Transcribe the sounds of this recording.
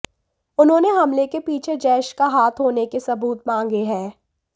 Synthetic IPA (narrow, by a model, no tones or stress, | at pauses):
ʊnɦõːneɦɐmlekepiːt͡ʃʰed͡ʒɛːʃkaɦaːt̪ʰɦoːnekesɐbuːt̪mãːŋ̆ɡeɦɛ̃ː